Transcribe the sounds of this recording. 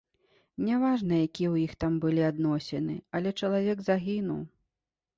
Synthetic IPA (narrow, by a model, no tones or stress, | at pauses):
nʲavaʐnɐjakʲiɛwjixt̪ambɨlʲiad̪nɔsʲɛnɨ̰ɐlʲɛt͡ʂɐlˠavʲɛɡzaɣʲinuw